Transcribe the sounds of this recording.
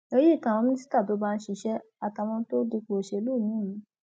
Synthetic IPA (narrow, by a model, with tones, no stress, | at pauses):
e˧˦ji˦˨kã˨ɔ̃˧mĩ˦i˦si̥˦ta˦˨to˨˦ba˧˦ʃi˧ʃɛ˦ | a˧ta˨˧˨w̃ɔ̃˧˦to˦di˧k͡po˨ʃe˧lu˦˨mĩ˨˦˨mĩ˨˦